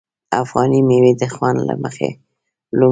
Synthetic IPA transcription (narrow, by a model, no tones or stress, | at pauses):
afɣɑnimewid̪əxwand̪la̰məxḛ | lu